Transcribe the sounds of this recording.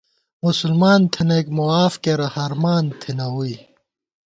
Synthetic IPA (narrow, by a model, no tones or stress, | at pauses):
musulmaːnt̪ʰinɐekmuaːfkeɾɐhɐɾmaːnt̪ʰinɐɦui